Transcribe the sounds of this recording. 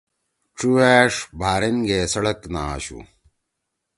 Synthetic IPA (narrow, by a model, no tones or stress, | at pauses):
ʈ͡ʂuaːʂbʱaːɾenɡeːsɐɽɐkna̰ːɕṵ